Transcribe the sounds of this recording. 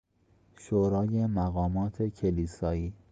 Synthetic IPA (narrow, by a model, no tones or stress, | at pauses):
ʃoːɾɒːje̞mæɣɒːmɒːt̪ʰe̞cʰeliːsɒːiː